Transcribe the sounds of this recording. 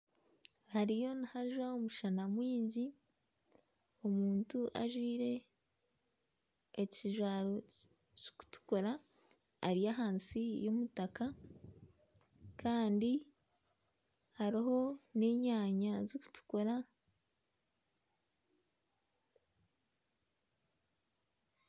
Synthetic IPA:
haɾijo̞nihaʒwaomuʃanamwiːɲɟi | o̞muːntuʔa̰ʒwiːɾe̞ | ciʒwaːɾo̞ | co̥ku̥tu̥ko̞ɾa̰ː | ɾijaɦaːnsijo̞mutaka | kaːndi | haɾiɦo̞ne̞ːɲaːɲazoku̥tu̥ko̞ɾa

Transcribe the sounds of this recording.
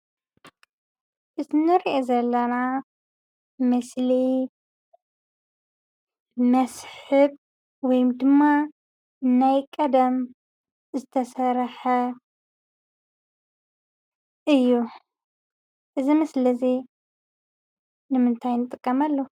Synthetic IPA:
ʔɨzinɨɾiʔezɐlːɐna | mɨsli | mɐsħɨb̚ | wɔjmd̪ɨmːa | najkʼɐd̪ɐm | zɨt̪ʰɐsɐɾħɐ | ʔɨjːu | ʔɨzimɨslɐzi | nɨmɨnt̪ʰajnɨt̪ʼɨkʼːɐmalːo

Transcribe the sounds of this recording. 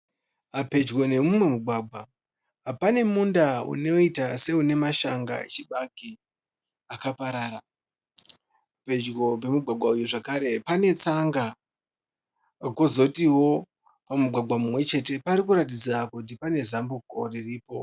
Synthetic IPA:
ape̞d͡ʒɡo̞ne̞mumwe̞muɡʱwaːɡ͡bʱa | apane̞mundaṵno̞itase̞une̞maʃaŋɡa̰t͡ʃiɓaki | akapaɾaːɾa | pe̞d͡ʒɡo̞p̬e̞muɡʱaɡʱwaujoʐakaɾe̞pane̞t͡saŋɡa | ko̞zo̞tiwo̞ | pamuɡʱwaɡwamumwe̞t͡ʃe̞te̞paɾikuɾat̬id͡zakut̬ipane̞zambukoririːpo̞̰

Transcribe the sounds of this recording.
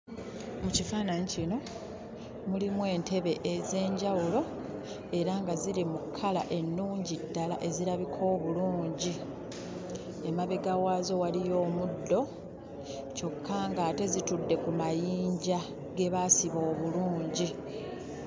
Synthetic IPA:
mucifanaɲicino̞ | mulimwe̞ːnte̞βe̞ʔeze̞ːɲɟawulo̞ | e̞ɾaŋɡaziɾimukʰːala̰ʔe̞nːuːɲɟidːala̰ʔe̞ziɾaβikʰo̞ːβuluːɲɟi | e̞maβeɡawaːzo̞walijo̞ːmudːo̞ | co̞kʰːaŋɡaːte̞zitudːe̞kumajiːɲɟa | ɡe̞βasiβo̞ːβuluːɲɟi

